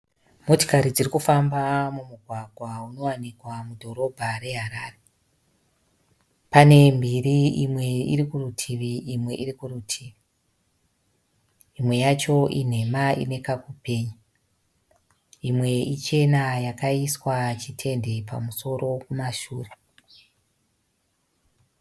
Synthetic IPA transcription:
mo̞to̥kaɾid͡zirikufambamumuɡʱwaɡʱwauno̞wanikwamudʱo̞ɾo̞bʱaɾe̞ɦaɾaːre | pane̞mbiriimwe̞ḭɾikurutʰiʋiʔimwe̞ʔirikuɾutʰiːʋi | imwe̞jat͡ʃo̞ʔin̤e̞maḭne̞kakupe̞ːɲa | imwe̞it͡ʃe̞najakaiswat͡ʃitʰe̞ndepa̰muso̞ɾo̞kumaʃṵːre

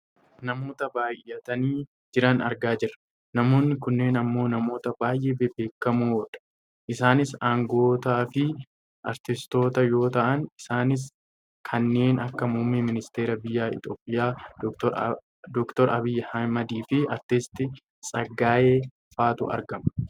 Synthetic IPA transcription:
nɐmo̞ːt̪ɐbaːjʔɐt̪ɐniː | d͡ʒɪɾɐnɐ̰ɾɡaːd͡ʒɪrːɐ̥ | nɐmo̞ːnːɪkʊnːe̞ːnɐmːo̞ːnɐmo̞ːt̪ɐbaːjʔeːbɛbeːkːɐmuɔᶑɐ̥ | ʔɪsaːnɪsaːŋɡo̞ːt̪aːfɪ | ʔɐ̰ɾt̪ɪst̪o̞ːt̪ɐjo̞ːt̪ɐʔɐnɪsaːnɪs̬ | kʰɐnːe̞ːnɐkːɐmuːmːɪmɪnɪst̪e̞ːɾɐbɪjːaːɪ̰t̪o̞ːpʼːɪjaː | d̪ɔkt̪ɔɾɐbɪjːɛhɐmɐd̪iːfɪɐɾt̪ɪst̪ɪ | sʼɐɡːaːje̞ː | faːt̪ʊ̰ʔɐ̰ɾɡɐmɐ

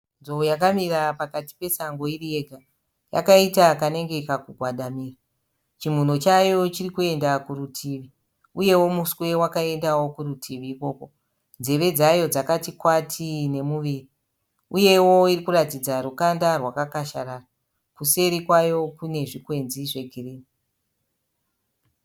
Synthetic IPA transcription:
nzoujakamirapakati̥pe̞saŋɡo̞irije̞ɡʱa | ja̰kaitakane̞ŋɡe̞kakuɡʱwaɗamiːra | t͡ʃim̤un̤o̞t͡ʃajo̞t͡ʃirikue̞ndakuɾutʰiːʋi | uje̞wo̞muswe̞wakae̞ndawokurutʰiʋiːko̞ko̞ | nd͡ze̞ʋe̞d͡zajo̞d͡zakatikwatʰine̞muʋiːri | uje̞wo̞irikuratid͡zaɾukandarwakakaʃa̰ɾara | kuse̞ɾikwajo̞kune̞ʐikwe̞nziʐe̞ɡʱiriːni

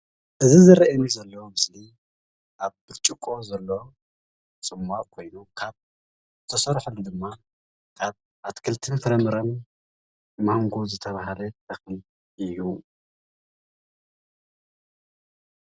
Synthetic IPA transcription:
ʔɨzizɨɾɐʔɐnizɐlːɐwomɨsli | ʔaβbɨɾt͡ʃʼikʼo̞zɐlːo | t͡sʼɨmːaʔkʰo̞jnukʰaβ | t̪ʰɐsɐɾħulud̪ɨmːa | kʰaβ | ʔat̪kʰɨlt̪ʰɨnfɨɾɐmɨɾɐn | maŋɡozɨt̪ʰɐβaɦalɐt̪ʰɐxni | ʔɨju

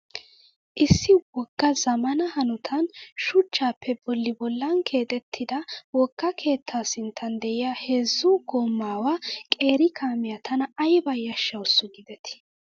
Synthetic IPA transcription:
ʔɪsːɪwɔɡ̥ːɐzɐmɐnɐhɐnʊt̪ʰɐnʃʊt͡ʃːaːpʰːɛbɔlːɪbɔlːɐnkʰe̞ːt̪ʼɛt̪ʰːɪd̪ɐwɔɡ̥ːɐkʰe̞ːt̪ʰːaːsɪnt̪ʰːɐnd̪ɛʔɪjahe̞ːzːuɡoːmːaːwakʼe̞ːɾɪkʰaːmɪjɐt̪ʰɐnɐɐjbɐjːɐʃːɐwʊsːʊɡɪd̪ɛt̪ɪ̥

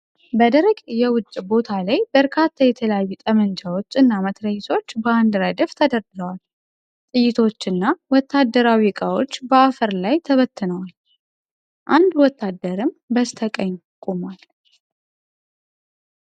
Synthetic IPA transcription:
bəd̪əɾəɡjɛwʊt͡ʃʼːbo̞t̪ʰalajbəɾkʰat̪ʰːajɛt̪ʰələjajːut̪ʼəmənd͡ʒawo̞t͡ʃːɨnːamət̪ɾəjɪsʰo̞t͡ʃːbəand̪ɾəd̪ɨft̪ʰəd̪əɾɡɨɡəwal | t̪ʼɨjːɪt̪ʰo̞t͡ʃːɨnːawɔt̪ːad̪ːəɾawikʼawo̞t͡ʃːbəafəɾlajt̪ʰəβət̪ʰːɨnəwal | ʔand̪wɔt̪ʰːad̪ːəɾɨmbəst̪ʰəkʼəɲː | kʼomwal

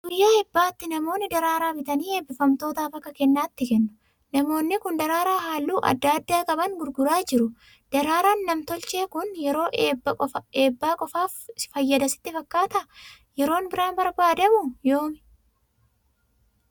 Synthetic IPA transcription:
d̪̥ʊjːaɛbːaːt̪ːɪnɐmo̞ːnːɪd̪ɐɾaːɾaːbɪt̪ɐniːe̞ːbːɪfɐmt̪o̞ːt̪aːfɐkːɐkɛnːaːt̪ːɪkɛnːʊ̥ | nɐmo̞ːnːɪkʊnd̪ɐɾaːɾaːɦaːlːuːʔɐ̰d̪ːɐːd̪ːaːkʼɐbɐŋɡʊɾɡʊɾaːd͡ʒɪɾʊ | d̪̥ɐɾaːɾaːnːɐmt̪ɔlt͡ʃe̞ːkʊnjɛɾo̞ːʔːbɐɔeːbːaːkʼɔfaːffɐjːɐd̪ɐsɪ̥t̪ːɪfɐkːaːt̪ɐ | jɛɾo̞ːnbɪɾaːnbɐɾbaːd̪ɐmʊjoːmɪ

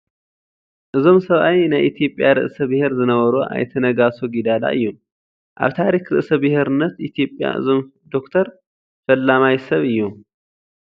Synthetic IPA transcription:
ʔɨzo̞msɐβʔawjnaʔit̪ʰijo̞pʼːjaɾɨ̰ʔsəbɨheɾzɨnəwəɾoʔa̰jt̪ʰənəɡasoɡid̪ala̰ɨ̰jːu | ʔa̰βt̪ʰaɾikɾɨʔsəbɨheɾɨnːət̪it̪ʰijo̞pʼːja̰ʔɨ̰zo̞m | d̪o̞kt̪ʰəɾ | fəlːamajsəβɨjːu

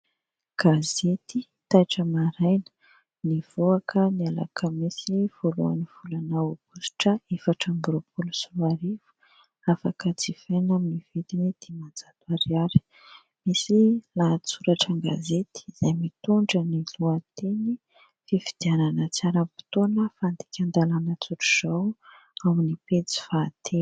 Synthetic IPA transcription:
ɡ̥azet̪i | t̪ajʈ͡ʂəmaɾajnə̥ | niv̥oakʰəniala̰kʰəmisiv̥olua̰niv̥ulanaub̥usu̥ʈ͡ʂəefaʈ͡ʂambuɾopʰulusuvaɾivu̥ | afakət͡sifanaminiv̥it̪inid̪̥imad͡zad̪uaɾiaɾi̥ | misilat͡suɾaʈ͡ʂaŋɡa̰zet̪i̥zajmit̪uɳɖ͡ʐəniluat̪eni | fifid̪̥iananət͡saɾəpi̥t̪onəfand̪i̥kʲand̪alanət͡suʈ͡ʂu̥z̥aw | aminipet͡si̥faːt̪ʰe

